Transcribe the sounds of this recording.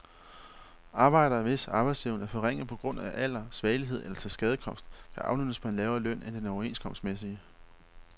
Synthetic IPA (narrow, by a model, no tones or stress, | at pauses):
ɑ̈ːb̥ɑ̈ɪ̰ɾ̥ɐʋe̝sɑ̈b̥ɑ̈ɪsliʊnæɐfɒ̽ʁeŋ̰ð̩ˠpʰɒ̽ɡ̥ʁɔ̽n̰æʔæl̰ɐsʋɛːliɦe̝ð̰ˠelɐt͡sʰelsɡ̥ɛð̞ˠəkʰɒ̽m̰sd̥kʰæʔɑ̈ʊnyd̥əspʰɒ̽e̝nlɛːʊɐːlœn̰end̥enɒʊe̝ːnskʰɒ̽m̰sd̥mesiə